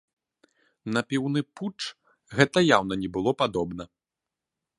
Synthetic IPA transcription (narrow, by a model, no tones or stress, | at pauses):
nɐpʲiwnɨput͡ʂ | ɣɛt̪ɐjawn̪ɐnʲɛbɨlˠɔpad̪ɔbnɐ